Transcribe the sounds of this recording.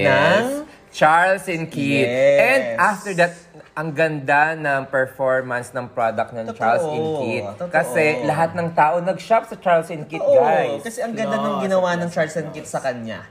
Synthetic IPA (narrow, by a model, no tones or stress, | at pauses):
ɛs | t͡ʃaɹlsɪnkit̪ɛndʔaft̪ɛɹd̪at̪̚ | ɐŋɡɐnd̪anɐŋpɛɹfoɹmɐnsnɐŋpɹod̪ɐk̚t̪̚nɐŋt͡ʃaɹlsɪnkitkɐsɛlɐɦat̪̚nɐŋt̪aːʔonɐɡ̚ʃap̚sɐt͡ʃaɹlsɪnkit̪̚ɡajkɐsɛɐŋɡɐnd̪anɐŋɡɪnɐwanɐŋt͡ʃaɹlsɛnkit̪sɐkɐɲa̰